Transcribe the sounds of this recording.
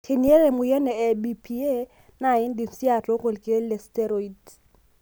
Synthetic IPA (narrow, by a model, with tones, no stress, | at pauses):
tʰe˨ni˦e˦re˨mʊ˨jɛ˦nɛ˨ɛ˨bi˨pʰi˦e˦ | na˨ɪ˦n̩˦di˨n̩˨si˦a˨t͡ɬɔ˦ɣʊ˨lkʼe˦le˨stɛ˦ɾo˨i˨d